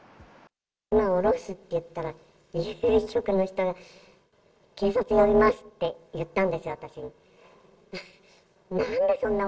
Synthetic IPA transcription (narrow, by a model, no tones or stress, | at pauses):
imaoɾo̞sɨt̪ːe̞jɯ̟t̪ːaɾa | iɯɕo̞kɯ̟no̞çi̥t̪o̞ɡa | ke̞ːsat͡sɨjo̞bʲimasɨ̥t̪ːe̞jɯ̟t̪ːãnd̪e̞sɨjo̞at̪aɕiɲ̟i | nãnd̪e̞sõ̞nːa